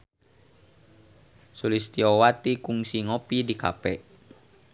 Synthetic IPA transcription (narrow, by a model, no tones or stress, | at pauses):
sulist̪iɔwat̪ikuŋsiŋopidika̰pɛʔ